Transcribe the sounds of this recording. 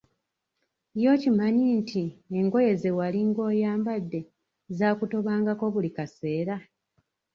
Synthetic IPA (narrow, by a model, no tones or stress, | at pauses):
jo̞ːcimaɲintʰieŋɡo̞je̞zewaliŋɡo̞ːjaːmbadːe̞ | zaːkuto̞βaːŋɡako̞βulikase̞ːɾa